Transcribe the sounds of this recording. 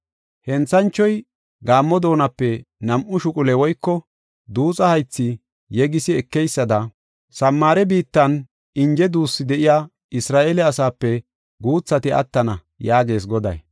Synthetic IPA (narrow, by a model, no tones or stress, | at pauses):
hɛnt͡sːɐnt͡ʃːɔj | ɡaːmːɔd̪o̞ːnɐpːɛnɐmʔʊʃʊkʼʊlɛwɔjkːɔ | d̪uːt͡sʼɐhɐjt͡sːɪ | jɛɡɪsɪɛkːɛjsːɐd̪ɐ | sɐmːaːɾɛbiːt̪ːɐn | ɪnd͡ʒɛd̪uːsːɪd̪ɛʔɪjaː | ɪsɾaːʔelɛɐsaːpːɛ | ɡuːt͡sːɐt̪ɪɐ̰t̪ːɐnɐ | jaːɡe̞ːs̬ɡɔd̪ɐ̰j